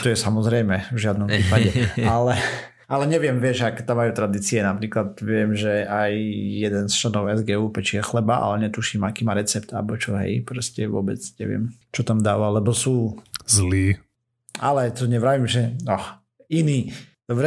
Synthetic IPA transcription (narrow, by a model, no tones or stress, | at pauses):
t̪ɔjɛsamɔzɾɛjmɛvʒɪad̪̚nɔmpiːpaɟɛalɛ | alɛɲɛʋɪɛmʋɪɛʒakɛt̪amːajuːt̪ɾad̪iːt͡siɛnapɾiːklat̪ʋɪɛmʒɛajjɛd̪ɛnst͡ʃlɛnɔʊɛzɡɛːupɛt͡ʃiɛxlɛbaʔa̰lɛɲɛt̪uʃimakiːmaːɾɛt͡sɛpt̪a̰lbɔt͡ʃɔɦɛ̰jpɾɔscɛʋʊɔ̰bɛt͡sɲɛ̰ʋɪɛ̰mt͡ʃɔt̪amd̪aːʋalɛbɔsuːzliː | a̰lɛt̪ɔɲɛʋɾaʋimʒɛɔ | iniːd̪̥ɔbɾɛ